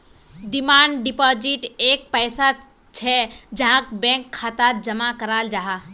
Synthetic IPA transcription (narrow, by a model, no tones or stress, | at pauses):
ɖɪmaːɳɖɖɪpaːd͡ʒiʈeːk̚pəɪsa | t͡ʃʰɛd͡ʒaɦãkbɛ̃ŋkʰːat̪ad͡ʒəmakəɾaːld͡ʒaɦa